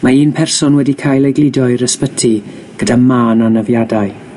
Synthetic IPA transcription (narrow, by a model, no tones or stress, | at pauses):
maiːnpʰɛrsɔnwɛdikʰaːjlˠejɡlˠɪdɔɨɾəspətʰi | ɡ̥ədamaːnanəvjadaɨ